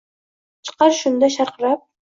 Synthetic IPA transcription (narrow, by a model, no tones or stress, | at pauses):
t͡ʃʰə̥qɑɾʃʊnd̪aʃɑɾqəɾɑp̚